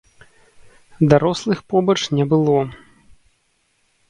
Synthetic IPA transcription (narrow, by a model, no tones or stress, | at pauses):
d̪aɾɔslˠɨxpɔbɐt͡ʂnʲɛbɨlˠɔ